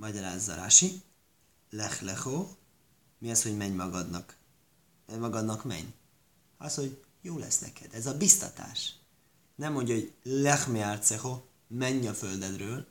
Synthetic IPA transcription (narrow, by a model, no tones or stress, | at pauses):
mɒɟɒɾaːzːɒ̰ɾa̰ːʃi | lɛxlɛxo | miɒsho̞ɟmɛɲmɒɡɒd̪nɒk | mɒɡɒd̪nɒkmɛ̰ɲ | ɒsho̞ɟ | joːlɛ̰snɛkɛd̪ɛzɒbist̪ɒ̰t̪a̰ːʃ | nɛmːo̞ɲɟɒɦoɟlɛxmealt̪sɛxo | mɛɲːɒføld̪ɛd̪røːl